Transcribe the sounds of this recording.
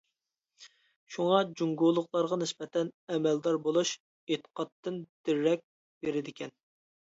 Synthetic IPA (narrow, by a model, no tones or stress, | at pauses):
ʃuŋɑd͡ʒuŋɡolˠʊqlˠɑɾʁɑnɪspɛt̪ʰɛnɛmɛld̪ɑɾbolˠuʃ | et̪ə̥qɑt̪ːɨnd̪̥ɪɾːɛk̚ʲ | beɾɪd̪ɪkʲʰɛn